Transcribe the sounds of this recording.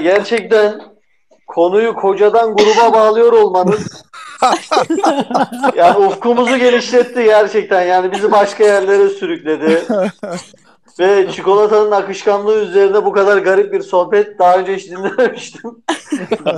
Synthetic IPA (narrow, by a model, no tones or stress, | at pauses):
ɟæɾt͡ʃʰɛc̚t̪ʰæn | kʰo̞nujukʰo̞d͡ʒad̪anɡuɾubabaːlˠɯjo̞ɾo̞lˠmanɯn | jaːniufkumuzuɟe̞lʲiʃlʲɛt̪ʰːiɟæɾt͡ʃʰɛc̚t̪ʰænjaːnibizibaʃkajæɾlʲe̞ɾɛsyɾycʲlʲe̞d̪ɪ | vɛt͡ʃʰiko̞lˠat̪ʰanɯnakɯʃkanlˠɯːyze̞ɾinɛbukʰad̪aɾɡaɾip̚biɾso̞hpɛt̪̚d̪aɦø̞nd͡ʒɛiʃd̪inlʲenemiʃt̪ʰim